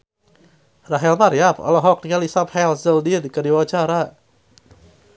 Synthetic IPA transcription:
raɦɛlmaɾijapɔ̰lɔɦɔk̚niŋalisaphɛlsəldid̪kədiwat͡ʃaɾa

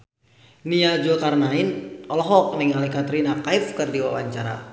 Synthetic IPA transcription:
niad͡ʒulkarnaɪnɔlɔɦɔk̚nɪŋalikat̪ɾinakaifkɨrdiwa̰waɲt͡ʃaɾa̰

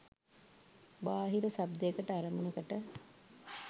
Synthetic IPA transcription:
baːɦiɾəsabd̪ejəkəʈəaɾəmunəkəʈə

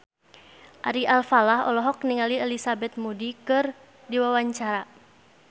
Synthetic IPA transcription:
ʔaɾiʔalfalaɦɔ̰lɔɦɔk̚niŋaliɛlisabɛt̪̚mudikɨr | diwawaɲt͡ʃaɾa

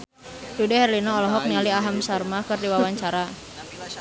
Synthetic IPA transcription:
dudɛɦɛrlinɔːlɔɦɔk̚nialiaɦamsarmakɨrdiwawaɲt͡ʃaɾa

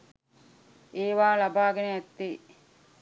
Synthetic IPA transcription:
eːʋaːlabaːɡenəæt̪ːe

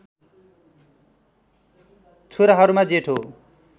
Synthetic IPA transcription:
t͡sʰuɾaɦʌɾumad͡zeʈʰo

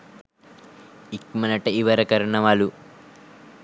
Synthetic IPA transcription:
ikmɐnɐʈɐiʋɐɾɐkɐɾuɳɐmaːlu

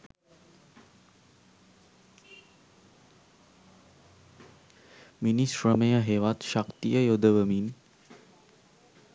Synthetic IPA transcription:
minisɾəməjəɦeʋat̪ʃakt̪ijəjod̪əʋəmin

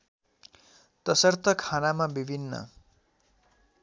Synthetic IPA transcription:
t̪ʌsʌrt̪ʰʌkʰanamabibʱinːʌ̰

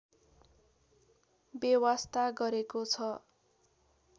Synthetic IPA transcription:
bjʌwast̪aɡʌɾekot͡sʰʌ

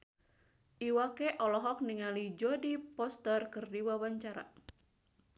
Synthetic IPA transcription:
ʔiwakɛʔɔlɔɦɔk̚niŋalid͡ʒɔdipɔst̪ərkɨrdiwawaɲt͡ʃaɾa̰

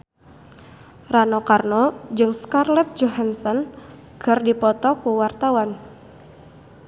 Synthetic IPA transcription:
ranɔkarnɔd͡ʒɨŋskarlɛt̪̚d͡ʒoɦansɔn | ɡ̥ərdipɔt̪ɔkuwart̪awan

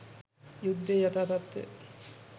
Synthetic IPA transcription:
jud̪ːejat̪aːt̪at̪ːḛ

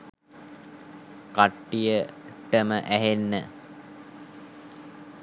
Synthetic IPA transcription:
kaʈːijəʈəməʔæɦenːə

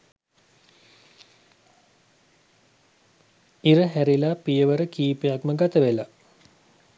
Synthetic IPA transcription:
iɾəɦæɾilapijəʋəɾəkiːpejakməɡat̪əʋela

